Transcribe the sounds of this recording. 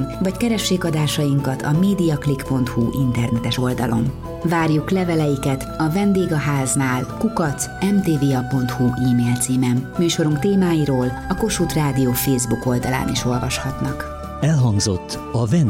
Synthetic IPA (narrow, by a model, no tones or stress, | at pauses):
mvɒckɛɾɛʃːeːkɒd̪aːʃɒjiŋkɒt̪ʰɒ̰meːd̪ijɒklikpo̞nt̪huʔint̪ɛrnɛt̪ɛʃo̞ld̪ɒ̰lo̞m | vaːrjuklɛvɛlɛjikɛt̪ɒvɛnd̪eːɡɒɦaːznaːlkukɒt̪sɛmt̪eːveːɒpo̞nt̪huʔiːmeːlt̪siːmɛmmyːʃo̞ɾuŋkt̪eːmaːjiɾoːlɒko̞ʃuːt̪raːd̪ioːfeːzbuko̞ld̪ɒla̰ːniʃo̞lvɒʃhɒt̪nɒk | ɛlɦɒŋɡzo̞̰t̪ː | ɒvɛn